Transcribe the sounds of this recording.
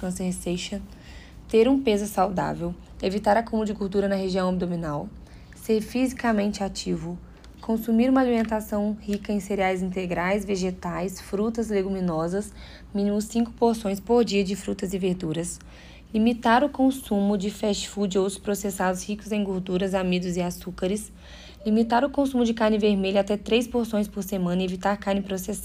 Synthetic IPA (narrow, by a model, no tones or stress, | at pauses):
kõsẽseʃɐ̃ | t̪eɾũpezʊsawd̪a̰vew | evit̪aɾɐkũmɐd͡ʒɪɡoɾd̪uɾɐnɐheʒiɐ̃w̃ob̚d̪omĩnaw | seɾfizikamẽnt͡ʃɪat͡ʃivʊ | kʰõsumiɾũmɐalimẽnt̪asɐ̃w̃hikɐẽj̃seɾiajzĩnt̪eɡɾajzveʒet̪ajsfɾut̪ɐzleɡumĩnɔzɐs | mĩnimʊsĩŋkʊ̥poɾsõj̃spoɾd͡ʒiɐd͡ʒɪfɾut̪ɐzɪveɾd̪uɾɐs | limit̪aɾʊkõsũmʊd͡ʒɪfɛʃfud͡ʒɪowt̪ɾʊ̥spɾosesad̪ʊshikʊzẽj̃ɡoɾd̪uɾɐzamid̪ʊzɪasukaɾɪs | limit̪aɾʊkõsũmʊd͡ʒɪkaɾnɪveɾmeʎʊat̪ɛt̪ɾejspoɾsõj̃spoɾsemɐ̃nɐɪevit̪aɾkaɾnɪpɾosesa